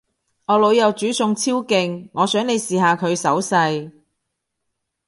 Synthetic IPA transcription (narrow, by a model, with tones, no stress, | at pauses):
ŋɔː˨˧lo˨˧wjɐ˨wt͡ʃyː˨˥sʊ˧ŋt͡sʰiː˥wkɪ˧ŋːɔː˨˧sœː˨˥ŋne˨˧jsiː˨ɦaː˨˧kʰɵ˨˧ɥsɐ˨˥wsɐ˧j